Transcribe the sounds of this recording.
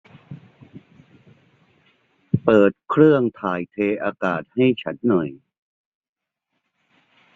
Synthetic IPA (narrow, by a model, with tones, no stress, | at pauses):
pɤː˨˩t̪̚kʰɾɯ˥˩əŋt̪ʰaː˨˩jt̪ʰeː˧ʔaː˧kaː˨˩t̪̚ha˥˩jt͡ɕʰa˦˥n̚nɔ˨˩j